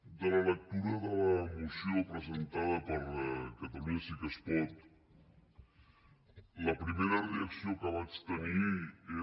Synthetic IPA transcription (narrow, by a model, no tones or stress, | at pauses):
d̪ələlək̚t̪uɾəðələmusjopɾəzənt̪aðəpəɾkət̪amisikəspɔt̪ | ləpɾimeɾəreaksiokəβ̞at͡ʃt̪ənie